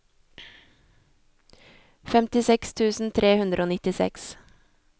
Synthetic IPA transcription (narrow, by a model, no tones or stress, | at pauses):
fɛmt̪ɪsɛkst̪ʰʉːsn̩t̪ʰɾeːhʉnd̪ɾʔoːnɪt̪ɪsɛ̰ks